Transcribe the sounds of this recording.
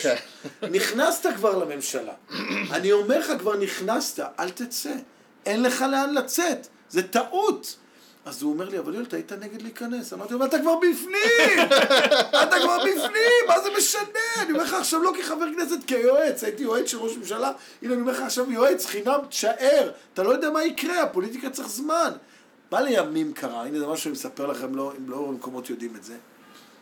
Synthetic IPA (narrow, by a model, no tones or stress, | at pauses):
niχnast̪akvaʁlame̞mʃala̰anio̞me̞ʁχakvaʁniχnast̪aʔalt̪et͡se | enle̞χaleanlat͡set̪ | zet̪aʔut̪ | azuome̞ʁliavaljolt̪ait̪ane̞ɡed̪liːkane̞samaʁt̪iamat̪̬akvaʁbifnimmat̪akvaʁbifnimːazemeʃaneaniome̞ʁχaːχʃavlo̞kiχaveʁkneset̪kejoet͡sait̪ijoet͡sʃelʁoʃmemʃala | ilonijoeχaːχʃavjoet͡sχinamt̪ʃaʔeʁat̪alo̞jo̞d̪ɛamaikʁeapo̞lit̪̬ikat͡seχzman | male̞jamimkʰaʁainezemaʃuʃanimesapeʁlaχe̞mloimlomeko̞mo̞t̪jo̞d̪imetze